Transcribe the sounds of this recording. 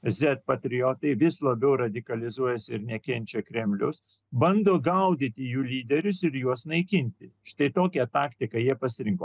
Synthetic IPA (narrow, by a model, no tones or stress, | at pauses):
zʲɛt̪̚pɐt̪ʲɾʲɪjoːt̪ɐɪʋʲɪslˠɐbʲɛʊɾɐd̪ʲɪkɐlʲɪzuɔjɛsʲɪɾnʲɛkʲɛnʲt͡ʃʲɛkɾʲɛmʲlʲʊs | bɐnd̪oːɡɐʊd̪ʲɪt̪ʲɪjuːlʲiːd̪ʲɛɾʲʊsɪɾjuɔsnɐɪkʲɪnʲt̪ʲɪʃt̪ɐɪt̪oːkʲɛt̪ɑːkt̪ʲɪkɐjiɛpɐsʲɪɾʲɪŋkoː